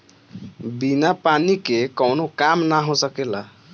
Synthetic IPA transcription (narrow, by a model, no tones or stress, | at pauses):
binapanikekʌwnokamnaɦõsəkela